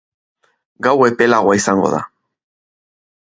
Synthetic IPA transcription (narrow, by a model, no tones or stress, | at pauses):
ɡawe̞pe̞laɣoaisaŋɡo̞̰ða̰